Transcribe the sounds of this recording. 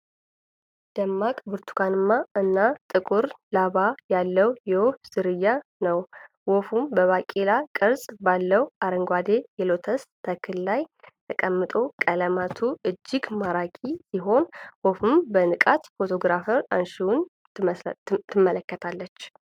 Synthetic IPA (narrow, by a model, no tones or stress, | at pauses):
d̪̥əmːakʼbɨɾt̪ʰu̥kanɨmːaɨnːat̪ʼɨkʼuɾlaβajalːəwjɛwofz̥ɨɾɨjːanəw | wofumbəβakʼelakʼɨɾsʼbalːəwʔaɾəŋɡʷad̪ejɛlo̞t̪ʰəst̪ʰəkʰːɨllajt̪ʰəkʼəmːɨt̪ʼo̞kʼələmat̪ʰuʔɨd͡ʒːɪɡmaɾakʼisiɦo̞nwofɨmbənɨkʼat̪fo̞t̪ʰo̞ɡɾafəɾanʃiwun | t̪ʰːɨmːələkːət̪ʰalːət͡ʃː